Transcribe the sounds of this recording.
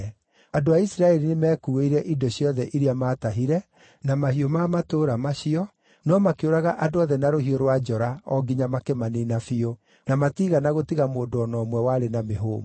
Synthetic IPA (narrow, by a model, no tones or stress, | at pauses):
adoaisɾaɛɾinemɛːkuweiɾɛʔidoɕjɔðɛʔiɾiamaːtaɦiɾɛ | namahiomaːmatoːɾamaʃiɔ | nɔmakeoɾaɣaʔadoɔðɛnaɾohioɾwad͡ʒɔɾaɔɡiɲamakemaninafio | namatiːɣanaɣotiɣamoːdoɔnɔːmwɛwaɾenameɦo̰ːm